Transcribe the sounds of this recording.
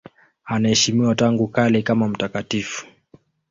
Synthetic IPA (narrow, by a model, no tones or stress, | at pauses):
anaɛʃimiwataŋɡukalikamam̩takatifu̥